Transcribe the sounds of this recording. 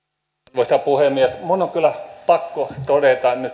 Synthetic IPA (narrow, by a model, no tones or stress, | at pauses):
ʋost̪ɑpuhemiesmunːoŋkylːæpɑkːot̪odet̪ɑny